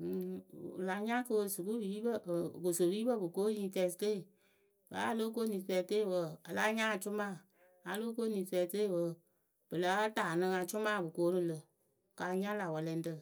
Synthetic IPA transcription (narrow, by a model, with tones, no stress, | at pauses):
la˧ɲã˦kɨ˧wsɨ˨ku˦wiː˨˦bə˦˨ko˨so˨wiː˦bə˦˨bɨ˨ko˦ɲĩː˧˦tɛ˧˦˧ste˦˨ | ba̰˨˦a˧lo˦k̬o˦nĩ˨˦tɛ˧te˦˨wə˧˨a˨la˦ɲã˦a˨t͡ʃʊ˦mãː˦˨ | a˧˦loː˦ko˦nĩ˨˦tɛ˧˨te˦˨wə˧˨ | b̥ə˨la˨˦taː˨nɨ̃˧ŋa˧t͡ʃʊ˦mãː˦˨bɨ˨koː˨˦nɨ̃˧˨lɨ˧ | ka˧ɲã˦la˨wɛ˨lɛ˧n˦tɨ˧˨